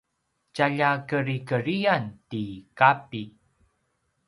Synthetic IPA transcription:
t͡ɕaʎakəɾikəɾiantikapi

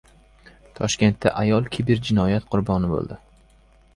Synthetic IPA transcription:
t̪ʰɒʃkʲe̞nt̪ːa̰ʔajɒlˠkʲʰebɪɾd͡ʒɪnɒjat̪qʰʊɾbɒnɪbo̰lˠd̪ɪ

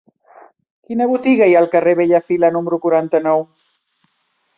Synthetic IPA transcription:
kinəβut̪iɣaialkareβeʎafilanuməɾukuɾant̪anɔw

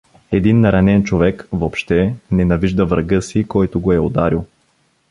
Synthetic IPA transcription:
ɛd̪inːɐɾɐnɛnt͡ʃovɛkvopʃt̪ɛnɛnɐviʒd̪ɐvɾɐɡɤsikɔjt̪oɡoɛod̪aɾilˠ

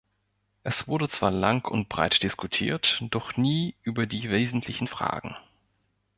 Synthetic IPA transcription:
ʔɛsv̥ʊɐdət͡sv̥aːɐlaŋkʰʊ̰nt̚b̥ʁa̰ɪtd̥ɪskutʰḭːɐtd̥ɔχniːʔyːbɐdiːveːzn̩tʰlɪçn̩fʁ̥a̰ːɡŋ̩

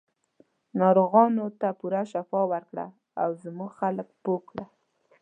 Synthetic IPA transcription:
nɑɾoɣɑnot̪apuɾaʃafɑwaɾkɽa̰ | awzmuɡxaləkpokɽa

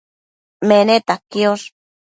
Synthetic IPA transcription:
menet̪akjos

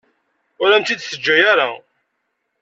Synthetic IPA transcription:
ʊɾæmt̪id̪θəd͡ʒːæjaɾa

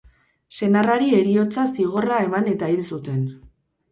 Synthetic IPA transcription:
se̞naraɾie̞ɾio̞t͡sasiɣ̞o̞rae̞mane̞t̪ailsut̪e̞n

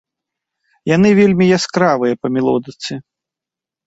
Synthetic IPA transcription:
jan̪ɨvʲelʲmʲijaskɾavɨjɐpɐmʲɛlˠɔd̪ɨt̪sɨ

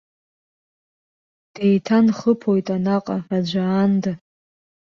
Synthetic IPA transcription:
d̥ejtʰanχəpʰojtʼanaqʼarad͡ʒʷaːnda

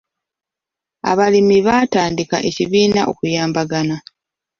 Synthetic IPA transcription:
a̰βalimiβaːtaːndika̰ʔe̞ciβiːnaʔo̞̰kujaːmbaɡana

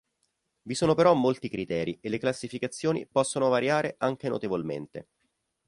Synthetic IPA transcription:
visoːnopeɾɔmːolt̪ikɾit̪ɛːɾielːeklasːifikat̪sːjoːnḭpɔsːonovaɾjaːɾeʔaŋk̟eno̰t̪evolmḛnt̪ḛ

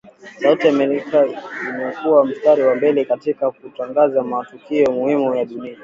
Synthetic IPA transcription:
sautiamɛɾikainakuwam̩staɾiwambɛlɛkatikak̚utaŋɡazamatukiɔmuhimujaɗunia

